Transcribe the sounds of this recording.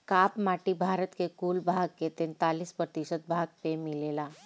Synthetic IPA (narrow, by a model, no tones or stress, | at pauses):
kapmaʈiːbʱaɾət̪kekulbʱaɡ̚ket̪ent̪aliːspɾət̪iɕət̪̚bʱaɡ̚pemilela